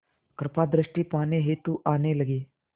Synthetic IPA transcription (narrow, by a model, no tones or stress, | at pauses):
kɾɐpaːd̪ɾɐʂʈipaːneːɦeːt̪uʔaːneːlɐɡe